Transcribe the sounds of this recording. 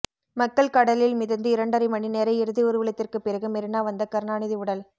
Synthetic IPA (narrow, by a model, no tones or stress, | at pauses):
mɐkːɐɭkɐɽɐlɪlmɪðɐnd̪ɯɪɾɐɳɖɐɾɪmɐɳineːɾɐɪɪɾɯðiʊɾɯʋɪɭɐt̪ːɪrkɯpːɪrɐɣɯmɛɾɯnaːʋɐnd̪ɐkɐɾnaːɳɪðiʊɽɐl